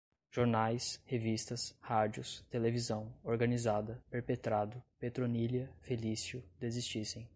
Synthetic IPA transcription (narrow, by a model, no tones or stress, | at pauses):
ʒ̥oɾnajshevist̪ɐshad͡ʒiʊst̪elevizɐ̃w̃oɾɡɐnizad̪ɐpeɾpet̪ɾad̪ʊpet̪ɾoniliɐfelisiʊd̪ezist͡ʃisẽj̃